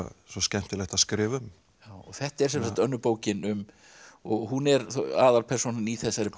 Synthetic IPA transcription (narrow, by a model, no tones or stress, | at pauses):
sɔscɛn̥t̪ɪlɛxt̪aðskɾɪːvʏm | jaːwɔɣθɛht̪aɛɾ̥sɛmsḁt̪œnːʏpoːwcɪnʏm | ɔɣɦunɛɾθaːðaɾpʰɛrsunaniθɛsːaɾɪ